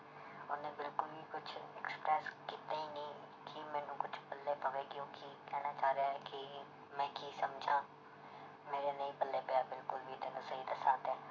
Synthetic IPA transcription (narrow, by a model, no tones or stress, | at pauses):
ʊnẽːbɪlkʊlbiːkʊt͡ʃʰɛkspɾɛːskiːt̪aːiːnĩː | kʰimɛ̃ːnũːkʊt͡ʃʰpəlːeːpəʋeːɡɪjõːkiːkɛːñaːt͡ʃaːɾeaːɛːkɪ | mɛ̃ːkiːsəmd͡ʒʱãː | meːɾeːnəĩːbəlːeːpejaːbɪlkʊlbiːt̪eːnãːsəɦiːd̪asaːt̪ɛː